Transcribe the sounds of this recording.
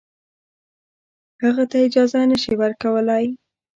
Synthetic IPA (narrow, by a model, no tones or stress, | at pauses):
həɣat̪aɪd͡ʒɑzanəʃiwəɾkawəlaj